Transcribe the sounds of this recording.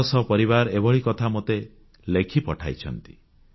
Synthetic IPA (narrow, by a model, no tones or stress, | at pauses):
ɔsɔpɔɾiβaɾebɔɭikɔt̪ʰamot̪e | lekʰipɔʈʰajt͡ʃʰɔnt̪i̥